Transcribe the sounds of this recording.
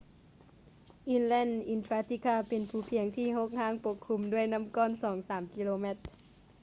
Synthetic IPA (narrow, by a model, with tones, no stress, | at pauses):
ʔi˧˩nlɛː˧˥˨nʔi˧˩nt̪ʰɾaː˧˥t̪ʰi˧˩kʰaː˧˥˩pe˨npʰuː˨˩pʰi˨˩˦əŋt̪ʰiː˧˥˩ɦo˧˥k̚haː˧˥˨ŋpo˧˥kʰːu˧mdu˥˩əjna˧˥˨mkɔː˥˨nsɔː˩˦ŋsaː˩˦mki˧loː˧me˧˥t̪̚